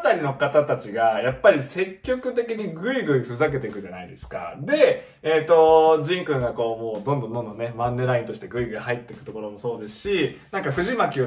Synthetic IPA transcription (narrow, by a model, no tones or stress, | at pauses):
t̪aɾʲino̞kat̪at̪at͡ɕiɡajapːaɾʲise̞kʲːo̞kɯ̟t̪e̞kʲiɲ̟iɡɯ̟iɡɯ̟iɸɯ̟zak̬e̞t̪e̞kɯ̟ʑanaid̪e̞sɨ̥ka̰d̪e̞ | eːt̪ːo̞d͡ʑĩŋkɯ̟oɡako̞ːmo̞ːd̪õnd̪õ̞nd̪o̞nd̪one̞mãnːe̞ɾaĩnt̪o̞ɕi̥t̪e̞ɡɯ̟iɡɯ̟ihait̪ːe̞kɯ̟t̪o̞ko̞ɾo̞mo̞so̞ːd̪e̞sɨ̥ɕinãŋkaɸɯ̟ʑimakʲi